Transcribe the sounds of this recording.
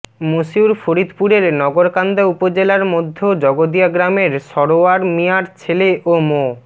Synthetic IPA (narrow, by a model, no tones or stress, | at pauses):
moʃiuɾfoɾid̪puɾeɾnɔɡoɾkand̪aupod͡ʑelaɾmod̪ʱːod͡ʑɔɡod̪iaɡɾameɾʃɔɽoaɾmiaɾt͡ɕʰeleʔomo